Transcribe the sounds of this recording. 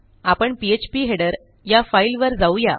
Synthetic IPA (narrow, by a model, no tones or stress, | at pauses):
apəɳpiet͡ɕpiɦeɽəɾ | jafailʋəɾd͡zauja